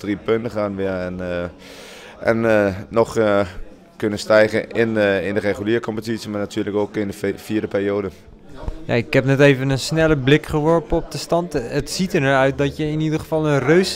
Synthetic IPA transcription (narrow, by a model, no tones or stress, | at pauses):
dripøntəχaːnʋɪəɹɛn | ʔɛ̰nnɔχ | kønəstɛjɣəʔɪnɪndəreχyliːɹkɔmpətisəmaːɹnatʰyːɹləkoːkɪndəfiːɹdəpɪːrjoːdə | ja̰ɪkɦɛpnɛtejvənənsnɛləblɪkχəʋɔɹpəɔp̚dəstɑntətsitəɹnɛɹœɥt̚dɑtjəɪnidəɹəvɑlˠənrøɥs